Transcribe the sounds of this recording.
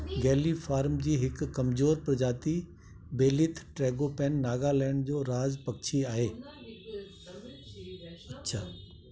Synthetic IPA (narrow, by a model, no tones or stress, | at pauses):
ɡɛːlifaːɾmd͡ʑiːɦɪkːɐmzoːɾpɾɐd͡ʑaːt̪i | beːlit̪ʰʈɾɛːɡopɛːnːaːɡalɛːɪɽ̃d͡ʑoːɾaːzpɐkt͡ɕʰiaːɦeː | ɐtːɕʰaː